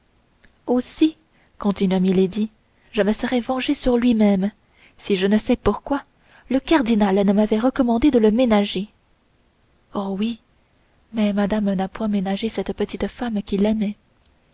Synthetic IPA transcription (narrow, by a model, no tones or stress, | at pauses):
osi | kɔ̃t̪inɥamiled̪i | ʒəməsəʁɛvɑ̃ʒesyʁlɥimɛm | siʒənəsɛpuʁkwa | ləkaʁd̪inalnəmavɛʁəkɔmɑ̃d̪ed̪ələmenaʒe | ɔwi | mɛmad̪amnapwɛ̃menaʒesɛt̪pət̪it̪əfamkʲilɛmɛ